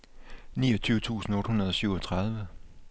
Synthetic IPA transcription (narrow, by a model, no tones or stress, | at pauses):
nḭːʌt͡sʰyːʊət͡sʰṵːsn̩ɔ̽ːd̥hunɐð̞ˠɒ̽syʊɒt͡sʰʁɑð̞ˠʋə